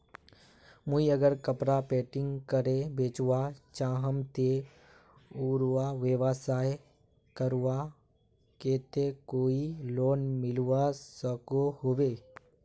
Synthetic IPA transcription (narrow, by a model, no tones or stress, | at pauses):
mʊiəɡəɾkəpɾapeːʈɪ̃ŋɡkəɾebeːt͡ʃwat͡ʃãːɦəmt̪e | uːɾwaʋɪʋasaːj | kəɾwa | keːt̪ekoːiloːnmɪlwasəkohoweː